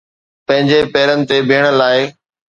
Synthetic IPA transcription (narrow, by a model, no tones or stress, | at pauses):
pɐ̃ɦɪ̃ɲd͡ʑepɐːɾənɪ̆t̪ebʱiːəɽ̃̆laːɪ